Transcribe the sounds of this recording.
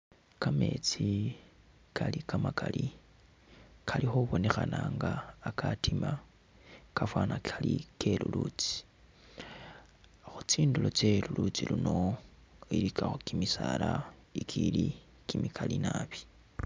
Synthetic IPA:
kame̞t͡si | kʰalikamakali | kʰalixuβo̞ne̞xanaŋɡaːkʰatima | kafwanakalikʰe̞lulut͡si̥ | xut͡siːndulo̞t͡ʃe̞lulut͡silino̞ | ilikʰaxokimisalaikʰili | kimikʰalinaβi̥

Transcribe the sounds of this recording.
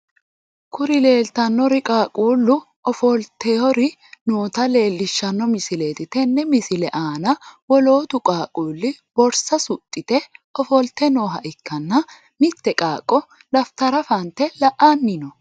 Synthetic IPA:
kʊɾɪle̞ːlt̪ɐnːɔɾɪkʼaːkʼuːlːʊ | ʔɔfɔlt̪ːeɔɾɪ | noːt̪ɐle̞ːlːɪʃːɐnːɔmɪsɪleːt̪ɪt̪ɛnːɛmɪsɪlɛʔaːnɐwɔlo̞ːt̪ʊkʼaːkʼuːlːɪb̥ɔɾsɐsʊt̪ʼːɪt̪ɛɔfɔlt̪ːɛnoːɦɐʔɪkːɐnːɐ | mɪt̪ːɛkʼaːkʼːɔ | lɐft̪ɐɾɐfɐnt̪ɛlɐʔaːnːɪnɔ

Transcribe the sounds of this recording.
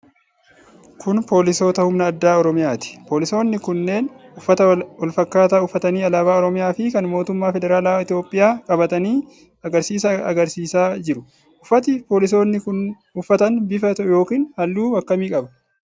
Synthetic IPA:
kʰʊnpo̞ːlɪso̞ːt̪ɐhʊmnɐːd̪ːaːɔɾɔmɪjaːt̪ɪ̥po̞ːlɪso̞ːnːɪkʊnːe̞ːnʊfːɐt̪ɐwɐlfɐkːaːt̪aːʊfːɐt̪ɐniːɐlaːbaːɔɾɔmɪjaːfɪkɐnmo̞ːt̪ʊmːaːfɛd̪ɛɾaːlaːɪt̪ɪjo̞ːpʼɪjaːkʼɐbɐt̪ɐniː | ɐɡɐɾsiːsɐɐ̰ɡɐɾsiːsaːd͡ʒɪɾʊ | ʔʊfɐt̪ɪpo̞ːlɪs̬o̞ːnːɪkʊn | ʊfːɐt̪ɐnbɪfɐt̪jo̞ːkiːnhɐlːuːwɐkːɐmiːkʼɐbɐ

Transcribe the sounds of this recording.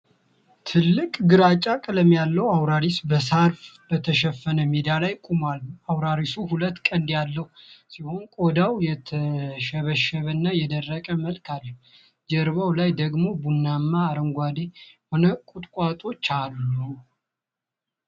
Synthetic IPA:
t̪ʰɨlːɨkʼɡɨɾat͡ʃʼakʼələmjalːəwawɾaɾisbəsaɾfbət̪ʰəʃɛfːənəmed̪alajkʼumalawɾaɾisuhulət̪ːkʼənd̪jalːəhusiho̞nkʼo̞d̪awjɛt̪ʰəʃəβəʃəβənːajɛd̪ərːəkʼəməlkʰalːə | d͡ʒɛɾβawlajd̪əɡmo̞bunːamːaːɾəŋɡʷad̪eho̞nəkʼut̪ʼkʼat̪ʼo̞t͡ʃːalːu

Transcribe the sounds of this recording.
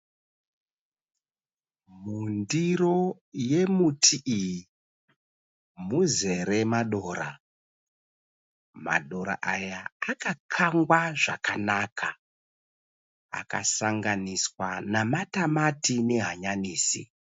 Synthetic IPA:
mundiro̞ | je̞mutʰiʔiji | muze̞ɾe̞maɗo̞ːɾa̰ | ma̰ɗo̞ɾa̰ʔajaːkakʰaŋɡwaʐakanakʰa | a̰ka̰saŋɡaniswanamatamatine̞ɦaɲaniːsḭ

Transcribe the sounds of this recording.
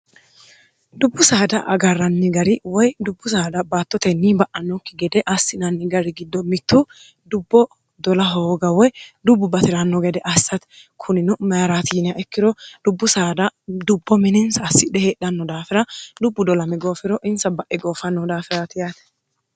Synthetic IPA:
d̪ʊbːʊsaːd̪ɐʔɐɡɐrːɐnːɪɡɐɾɪwɔjd̪ʊbːʊsaːd̪ɐbaːt̪ːɔt̪ɛnːibɐʔɐnːɔkːɪɡɛd̪ɛʔɐsːɪnɐnːɪɡɐɾɪɡɪd̪ːɔmɪt̪ːʊ | d̪ʊbːɔ | d̪ɔlɐɦoːɡɐwɔjd̪ʊbːʊbɐt̪ɪɾɐnːɔɡɛd̪ɛʔɐsːɐt̪ | kʰʊnɪnʊmɐjɐɾat̪iːnɪɐʔɛkːɪd̪ɔd̪̥ʊbːʊsaːd̪ɐd̪ʊbːɔmɪnɪnsɐːsːɪdɛheːɗɐnːɔd̪aːfɪɾɐd̪ʊbːʊd̪ɔlɐmɛɡo̞ːfɪɾɔʔɪnsɐbɐʔɛɡo̞ːfɐnːɔd̪aːfɪɾɐt̪ɪjat̪ɛ̥

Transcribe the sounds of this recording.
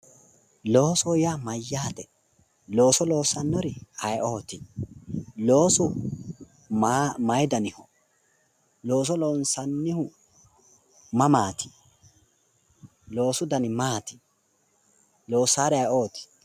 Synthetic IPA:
lo̞ːsɔjamɐjːaːt̪ɛ | lo̞ːsɔlo̞ːsɐnːɔɾɪɐjʔoːt̪ɪ | lo̞ːsʊ | mɐjd̪ɐnɪhɔ | lo̞ːs̬ɔloːnsɐnːɪhʊ | mɐmaːt̪ɪ̥ | lo̞ːsʊd̪ɐnɪmaːt̪ɪ̥ | lo̞ːsaːɾɛɐjo̞ːt̪ɪ̥

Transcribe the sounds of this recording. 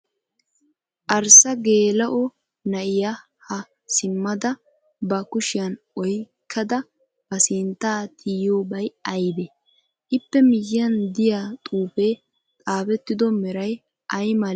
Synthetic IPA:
ʔɐɾsɐɡe̞ːlɐʔɔ | nɐʔɪja | hɐ | sɪmːɐd̪ɐ | bɐkʊʃɪjɐn | ɔjkʰːɐd̪ɐ | bɐsɪnt̪ːaːt̪ʰiːjoːbɐjɐjd̪ɛ | ʔɪpːɛmɪjɪjɐnd̪ɪjat̪ʼuːpeː | t̪ʼaːbɛt̪ːɪd̪ɔmɛɾɐj | ʔɐjmɐl

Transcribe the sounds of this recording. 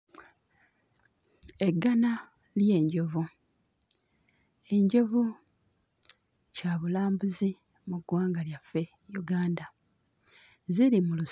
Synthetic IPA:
e̞ɡːana | lje̞ːɲɟo̞vu | e̞ɲɟo̞vu | caβulaːmbuzi | muɡwaːŋɡaljafːe̞ | juɡaːnda | ziɾimulu

